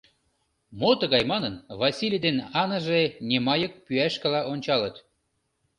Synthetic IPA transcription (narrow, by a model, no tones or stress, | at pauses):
mot̪ə̆ɣɑjmɑnənβɑsʲilʲijd̪enɑnəʒenʲemɑjə̆k̚pyæʃkəlɑʔonʲt͡ɕɑlət̪